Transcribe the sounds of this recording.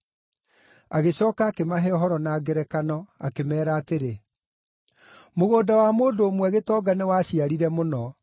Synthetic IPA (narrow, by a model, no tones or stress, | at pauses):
aɣeɕɔːkaːkemaɦɛɔɦɔɾɔnaːɡɛɾɛkanɔa̰kemɛːɾaːteɾe | moɣoːdawamoːndoːmwɛɣetɔːɡanewaɕiaɾiɾɛmonɔ